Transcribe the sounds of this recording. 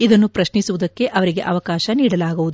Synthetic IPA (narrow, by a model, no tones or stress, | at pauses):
id̪ɐnːupɾɐʃnisuʋud̪ɐkːe̞ʔɐʋɐɾiɡe̞̰ʔɐʋɐkaːʃɐniːɽɐlaːɡuʋud̪u